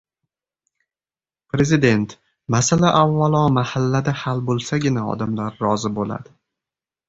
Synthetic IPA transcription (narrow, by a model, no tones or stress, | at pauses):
pɾe̞zɪd̪e̞nt̪ | masalaʔavːalɒmahalːad̪ahalbolˠsaɡʲɪnaɒ̰d̪amlaɾːɒzɪbola̰d̪̥ɪ